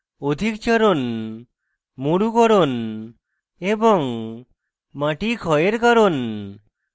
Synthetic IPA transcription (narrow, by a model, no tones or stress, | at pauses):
od̪ʱikt͡ʃɔɾon | muɽukɔɾon | ebɔŋ | maʈikʰɔeɾkɔɾon